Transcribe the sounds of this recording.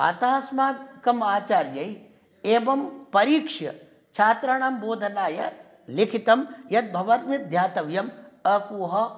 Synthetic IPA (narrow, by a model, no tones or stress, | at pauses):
a̰t̪aːsmaːkɐmaːt͡ʃaːɾd͡ʒɐj | eːʋɐmpɐɾiːkʂjɐ̰ | t͡ʃʰaːt̪ɾɐɳ̃aːmboːd̪ʱɐnaːjɐ̰ | likʰit̪ɐmjɐt̪̚bʱɐʋɐt̪ʋid̪ʱjaːt̪ɐʋjɐmɐkuːɦɐ